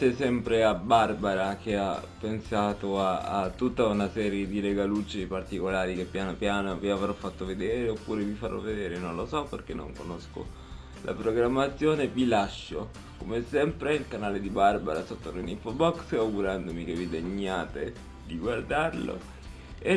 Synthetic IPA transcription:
t͡ʃɛsɛmpɾeabarbaɾak̟eapːensaːt̪oaːt̪ːut̪ːaunasɛːɾjed̪iɾeɡalut͡ʃːipart̪ikolaːɾikepːjaːnopjaːnoviavɾɔfːat̪ːoved̪eːɾeopːuːɾevifaɾɔ̰ved̪eːɾenonlosɔpːḛrkenːo̰ŋkonosko̰ | lʔa̰pɾoɡɾamːat̪sːjoːnevilaʃːo | komesɛmpɾeilkanaːled̪ibarba̰ɾasot̪ːoɾinifobɔksaɡuɾand̪omik̟evid̪eɲːaːt̪e | d̪iɡward̪arlo̰ | e

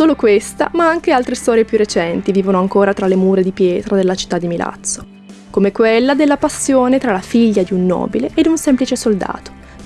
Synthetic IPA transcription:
soːlokwest̪a̰maaŋk̟ealt̪ɾest̪ɔːɾjepjurːet͡ʃɛnt̪iviːvonoaŋkoːɾat̪ɾalemuːɾed̪ipjɛːt̪ɾad̪elːat͡ʃi̥t̪ːad̪ːimilʔa̰t̪sːo̥ | komekwelːad̪elːapasːjoːnet̪ɾalafiʎːad̪iunːɔ̰ːbileʔːd̪unsɛmplit͡ʃesold̪a̰ːt̪o̥

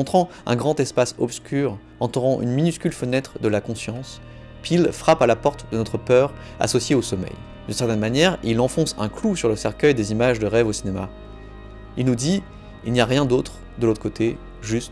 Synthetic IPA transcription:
ɔ̃t̪χɑ̃ɛ̰̃ɡʁɑ̃t̪ɛspasɔpskʲyʁ | ɑ̃t̪uʁɑ̃ʔy̰nminyskʲylfənɛt̪χd̪əlakɔ̃sjɑ̃s | pilfχapalapɔʁt̪d̪ənɔt̪χəpœʁ | a̰sɔsjeosɔmɛ̰j | d̪ynsɛʁt̪ɛnmanjɛʁilɑ̃fɔ̃sɛ̃klusyʁləsɛʁkʲœjd̪ezimaʒd̪əʁɛvosinema̰ | ilnud̪i | ilnijaʁjɛ̃d̪ot̪χ | d̪əlot̪χəkot̪ʰe | ʒyst̪

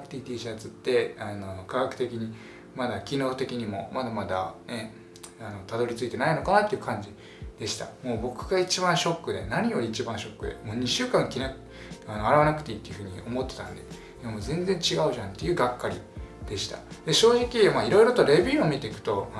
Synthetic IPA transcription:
kɯ̥t̪ʲiit̪iːʑiat͡sɨt̪ːe̞ano̞kaɡakɯ̟t̪e̞kʲiɲ̟i | mad̪akʲino̞ːt̪e̞kʲiɲ̟imo̞̰mad̪amad̪ane | ano̞t̪ad̪o̞ɾʲit͡sɨit̪e̞naino̞kanat̪ːeiɯ̟kãɲ̟d͡ʑi | d̪̥e̞ɕi̥t̪a̰mo̞ːbo̞kɯ̟ɡ̥ait͡ɕibãɰ̃ɕo̞kːɯ̟d̪e̞̰naɲ̟ijo̞ɾʲiːt͡ɕibãɰ̃ɕo̞kːɯ̟d̪ḛmo̞ːɲ̟iɕɨːkãŋkʲine | anoaɾaβanakɯ̟t̪e̞iːt̪ːe̞iɯ̟ɸɯ̟ːɲ̟io̞mo̞t̪ːet̪ã̰nd̪e | iamoːzẽ̞nd͡zẽ̞ɲt͡ɕiɡaɯ̟ʑãnt̪ːe̞jɯ̟ɡakːaɾʲḭd̪̥e̞ɕi̥t̪a̰d̪̥e̞ɕo̞ːʑikʲimaːiɾo̞iɾo̞t̪o̞ɾe̞bʲiːomʲit̪e̞ikɯ̟̥t̪o̞

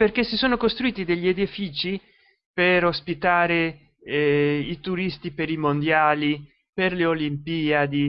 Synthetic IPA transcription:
perkesisoːnokost̪ɾuiːt̪id̪eʎːied̪ifiːt͡ʃi | peɾospit̪aːɾe | it̪uɾist̪ipeɾimond̪jaːli | perleolimpiːad̪i

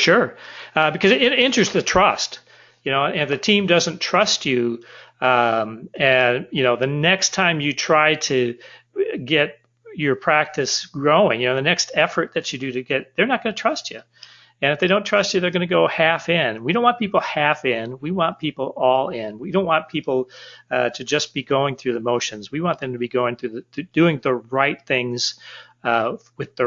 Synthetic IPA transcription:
ʃʊɹʌbɨkʰʌzɨɾɪ̃ɾɪ̃nt͡ʃɹ̥ɨsðɨtʰɹ̥ʌst | jɨñoʊɨ̃ɨ̃nɨfðɨtʰĩmdʌzɨ̃ntʰɹ̥ʌst͡ʃʉʌ̃mɨ̃njɨnoʊðɨnɛkstʰãɪ̃mjɨtʰɹ̥aɪɾɨ | ɡɛt͡ʃ̚ | jə˞pʰɹ̥æk̚tɨsɡ̥ɹoʊɪ̃ŋjɨnoʊðɨnɛkstɛfə˞t̪̚ðɨt͡ʃɨdɨɾɨɡɛt̪̚ðə˞nət̚ɡ̥ʌnɨtʰɹ̥ʌst͡ʃʉ | ɨ̃nɨfðeɪɾõʊ̃ntʰɹ̥ʌst͡ʃɨðə˞ɡʌnɨɡoʊhæfɪ̃nwiɾõʊ̃nʔwɑ̃npʰipl̩ˠhæfɪ̃nwiwɑ̃npʰipl̩ˠɔlˠɪ̃nwidõʊ̃nʔwɑ̃npʰipl̩ˠɾʰɨd͡ʒʌsb̥iɡoʊɪ̃ŋθɹʉðɨmoʊʃɨ̃nzwiwɑ̃nðɨ̃mtʰɨbiɡoʊɪ̃ŋθɹʉðɨd̥ʉɪ̃ŋðəɹaɪt̪̚θɪ̃ŋz̥ | wɨðə

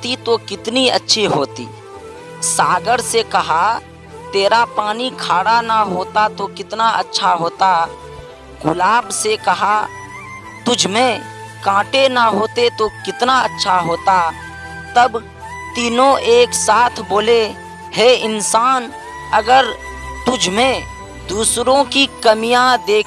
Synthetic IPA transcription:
t̪it̪okɪt̪niə̰tːʃʰiɦoːt̪ḭː | saːɡəɾsekɐɦa | t̪eːɾapaːnikʰaːɽanaɦoːt̪at̪okɪt̪naʔə̰tːʃʰaɦoːt̪a | ɡʊlaːbsekɐɦa | t̪ʊd͡ʒʱmẽ | kãːʈenaɦoːt̪et̪okɪt̪naɐtːʃʰaɦoːt̪a | t̪ɐb | t̪iːnõʔeːksaːt̪ʰboːle | hɛɪnsaːn | ɐɡəɾ | t̪ʊd͡ʒʱmẽ | d̪uːsɾõkikɐmijãd̪eː

